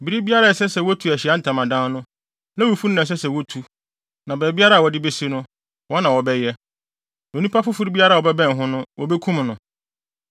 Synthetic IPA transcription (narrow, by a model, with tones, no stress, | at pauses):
bi˨ɾi˦bi˦a˦ɾa˦˨ɛ˨sɛ˦sɛ˨wɔ˦tʰu˨æ˨ɕɪ˨a˦n̩˨tʰã˨mã˨dã˦nʊ̃˦ | nã˦wu˨fu˦n˦nã˨s̬ɛ˦sɛ˨wɔ˦tʰu˨ | nã˨bɛː˨˦bi˦a˦ɾa˦˨wɔ˨dɪ˦be˦si˦nʊ̃˦ | wɔ˦nã˨wɔ˨bɛ˦jɛ˦ | õ˨nũ˦pʰa˦fʊ˦fʊ˦ɾi˦bi˦a˦ɾa˦˨wɔ˨bɛ˦bɛ̃˦n˨ɦʊ̃˦nʊ̃˦wʔɔ˦bɛ˦kʰũ˦mnʊ̃˨